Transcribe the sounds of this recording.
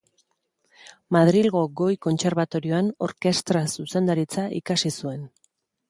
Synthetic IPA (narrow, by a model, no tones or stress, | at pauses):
maðɾilɣo̞ɡo̞jko̞nt͡se̞ɾβat̪o̞ɾio̞ano̞̰ɾke̞st̪ɾasuse̞nd̪aɾit͡saʔḭkasisue̞n